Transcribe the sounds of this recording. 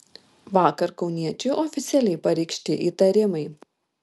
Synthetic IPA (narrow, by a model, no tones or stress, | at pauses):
ʋɑːkɐɾkɒʊnʲiɛt͡ʃʲʊʔɔːfʲɪt̪sʲɛlʲɛɪpɐɾʲɛɪkʃʲt̪ʲɪʔiːt̪ɐɾʲɪmɐɪ